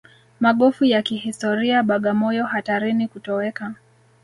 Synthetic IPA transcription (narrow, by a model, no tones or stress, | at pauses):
maɠɔfujakihistɔɾiaɓaɠamɔjɔhataɾinikutɔwɛka